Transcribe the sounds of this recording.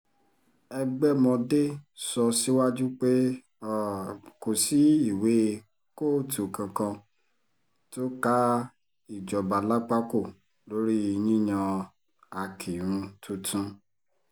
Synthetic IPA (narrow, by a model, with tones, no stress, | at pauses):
ɛ˧ɡ͡bɛ˦mɔ̃˧de˦sɔ˧si˦wa˦d͡ʒu˦k͡pe˦ | ɔ˦˨ko˨si˨˦i˦˨we˨˦ | ko˦˨tʰu˨kã˧kã˧ | to˦ka˦ | i˨d͡ʒɔ˨ba˨la˦k͡pa˦ko˦˨ | lo˨˦ɾi˦i˧nĩ˦j̃ã˧ | a˨kʰi˨ɾũ˧˦tũ˧tũ˧